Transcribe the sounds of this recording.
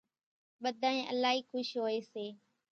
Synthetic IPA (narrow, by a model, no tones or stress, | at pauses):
ɓəd̪ʱãːẽːʔə̰laːɦiːxʊʃɦoːeːseː